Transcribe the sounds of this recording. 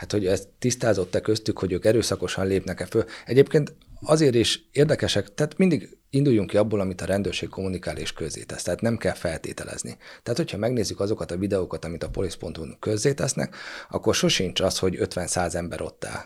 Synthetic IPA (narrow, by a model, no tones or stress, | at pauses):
hat̪ho̞ɟɛst̪ːist̪aːzo̞t̪ːɛkøst̪ykho̞ɟøːkɛɾøːsɒko̞ʃɒnleːpnɛkɛfølɛɟeːp̚keːnt̪ɒzeːɾiʃeːrd̪ɛkɛʃɛkt̪ɛːt̪mind̪iɡ | ind̪ujːuŋkiɒbːoːlɒmit̪ɒɾɛnd̪øːrʃeːkkʰo̞munikaːlḛːʃkøzːḛːt̪ɛst̪ɛaːt̪nɛmkɛlfɛlt̪ḛːt̪ɛ̰lɛ̰z̥nḭt̪ɛaːt̪ho̞chɒmɛɡneːzːykɒzo̞kɒt̪ɒvid̪ɛokɒt̪ɒmit̪ɒpo̞lispo̞nt̪unkø̞zːeːt̪ɛsnɛ̰kɒ̰kːo̞rʃo̞ʃint͡ʃɒsho̞ɟøt̪ʋɛnsaːzɛmbɛɾʔo̞̰t̪ːɛ̰l